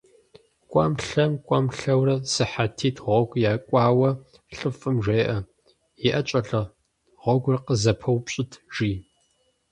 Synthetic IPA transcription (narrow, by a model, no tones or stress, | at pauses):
kʷʼɑ̰mɬɐmkʷʼamɬɐwrɐsɨħatʰiːtʰʁʷɔɡʷʼjaːkʷʼɑːwɐ | ɬʼɨfʼɨmʒʷeːʔɐ | jɪʔɐt͡ʃʼɐɬɐ | ʁʷɔɡʷʊrqəzɐpʰɐwpɕʼɪtʰʒ̥iː